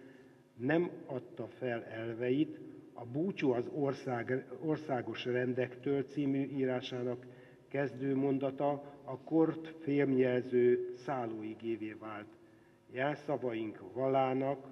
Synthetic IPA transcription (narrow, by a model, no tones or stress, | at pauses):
nɛmɒt̪ːɒfɛlɛlvɛjit̪ɒbuːt͡ʃuɒzrsaorsaːɡo̞ʃrɛnd̪ɛkt̪øːlt̪siːmyʔiːɾaːʃaːnɒkː | ɛzd̪øːmo̞nd̪ɒt̪ɒɒkort̪feːlmjɛlzøːsaːloːiɡeːveːvaːlt̪ | jaːsɒvɒjiŋkvɒlaːnɒk